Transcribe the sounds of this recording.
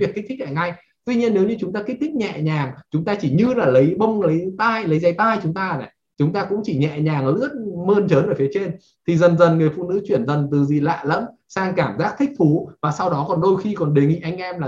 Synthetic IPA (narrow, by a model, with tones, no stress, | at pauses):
i˨˩ək̚ʰːt̪ʰi˦˥k̚la̰ː˨jŋa˧˩j | t̪wi˧ɲi˧ənːe˨˦wɲɨ˧t͡ɕʊ˨˦ŋ͡mt̪aː˧ki̟˦˥t̪ʰi˦˥k̟̚ɲɛ̰˧˨ɲaː˨˩ŋt͡ɕʊ˨˦ŋ͡mt̪aː˧t͡ɕi˧˩ɲɨ˧laː˨˩lə˨˦jɓə˧wŋ͡mlə˨˦jt̪aː˧jlə˨˦jza˨˦jt̪aː˧jt͡ɕʊ˨˦ŋ͡mt̪aː˧nɛ˨˩ | t͡ɕʊ˨˦ŋ͡mt̪aː˧kʊ̰˧˥ŋ͡mt͡ɕi˧˩ɲɛ̰˧˨ɲaː˨˩ŋʔəː˧˨˩lɨ̰˥ət̚məː˧nt͡ɕəː˨˦nʔəː˧˩fi˨˦t͡ɕe˧n | t̪ʰi˨˩zə˨˩nzə˨˩nŋɨ˨˩əjfṵ˧˨nɨ̰˧˥t͡ɕwi˧˩ənzə˨˩nt̪ɨ˨˩zi˨˩la̰ː˧˨lə̰˧˥n | saː˧ŋkaː˧˩mzaː˦˥k̚t̪ʰï˦˥k̟̚t̪ʰu˨˦vaː˨˩sa˧wɗɔ˨˦kɔ˨˩nɗo˧jxi˧kɔ˨˩nɗe˨˩ŋḭ˧˨ʔa˧jŋ̟ʔɛ˧mlaː˨˩